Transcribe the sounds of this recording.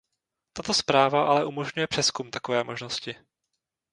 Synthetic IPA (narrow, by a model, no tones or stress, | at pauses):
t̪at̪o̞spɾaːvaʔalɛʔumo̞ʒɲujɛpr̥ɛskumt̪ako̞vɛːmo̞ʒno̞scɪ